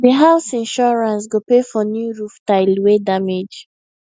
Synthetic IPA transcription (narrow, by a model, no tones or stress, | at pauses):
diɦaʊsĩnʃɔɹãnsɡopefɔnjuɹuftaɪlwedamed͡ʒ